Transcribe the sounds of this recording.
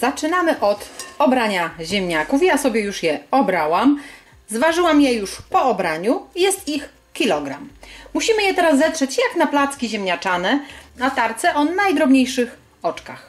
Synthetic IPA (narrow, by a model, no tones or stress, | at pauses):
zat͡ʂɘnamɘʔɔt̪ɔbɾaɲaʑɛmɲakufjasɔbʲjɛjuʂjɛɔbɾawam | zvaʐɘwamjɛjuʂpɔɔbɾaɲujɛst̪ix | kʲilɔɡɾa̰mːuɕimɘjɛt̪ɛɾasːɛtʂɛt͡ɕjaknaplat̪skʲiʑemɲat͡ʂanɛat̪aɾt̪sɛʔɔnajd̪ɾɔbɲejʂɘx | ɔt͡ʂkax